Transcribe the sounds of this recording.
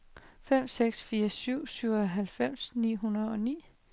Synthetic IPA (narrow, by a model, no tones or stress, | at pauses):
fem̰seɡ̥sfiːɐsyʊ̰syʊ̰ɒɦælfem̰snḭːɦunɐðˠɒ̽nḭː